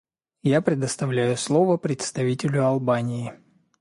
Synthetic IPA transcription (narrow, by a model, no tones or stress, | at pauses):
japɾʲɪd̪əst̪ɐvlʲæjʊslˠovəpɾʲɪt̪st̪ɐvʲitʲɪlʲʊɐlˠbanʲɪɪ